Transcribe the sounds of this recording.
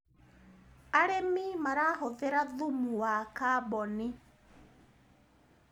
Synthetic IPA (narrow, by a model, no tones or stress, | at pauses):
aɾemimaɾaːɦɔðeɾaðumuwakaβɔni